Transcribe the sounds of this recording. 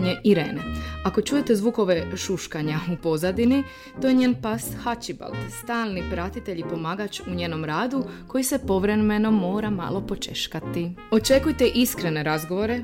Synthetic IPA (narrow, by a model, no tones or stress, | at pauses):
ɲeʔiɾḛːneako̞t͡ʃuːje̞t̪ezʋuːko̞ʋe̞ʃuʃkaɲaupo̞zad̪ini | t̪o̞jeɲeːnpashat͡ʃiba̰ld̪st̪aːlˠnipɾat̪it̪e̞ʎipo̞maːɡat͡ʃuɲe̞ːno̞mɾaːd̪uko̞jise̞po̞ʋɾe̞me̞no̞mo̞ːɾama̰lo̞po̞t͡ʃe̞̰ʃkat̪io̞t͡ʃe̞kujt̪eʔiskɾe̞ne̞ɾazɡo̞ʋo̞ɾe